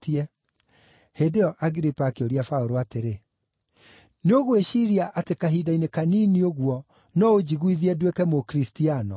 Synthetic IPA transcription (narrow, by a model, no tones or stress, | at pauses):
tiɛ | hedeɔʔaɣiɾipaːkeoɾiafaoɾoateɾe | neoɣweʃiɾiaʔatekaɦidainekaniːnioɣwɔ | nɔod͡ʑiɣwiðiɛdwekɛmokɾistianɔ